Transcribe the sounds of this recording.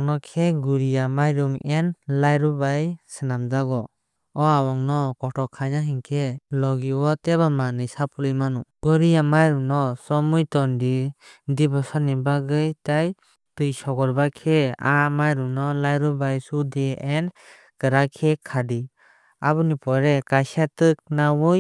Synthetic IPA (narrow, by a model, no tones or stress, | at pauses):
ŋnɔkʰɛɡuɾijamajɾɔŋɛnlajɾɔbajsɯnamd͡ʒaɡɔ | ɔawɔŋnɔkɔʈɔkʰajnaɦiŋkʰɛlɔɡiwɔtɛβamanɯjsapʰulijmanuɡ̥ɔɾijamajɾuŋnɔsɔmujtɔndidibɔsanibaɡɯjtaj | tɯjsɔɡɔɾbakʰeamajɾunɔlajɾubajsudiɛn | kɯɾakʰekʰadi | abɯnipɔɾɛkajsatɯk̚nawɔj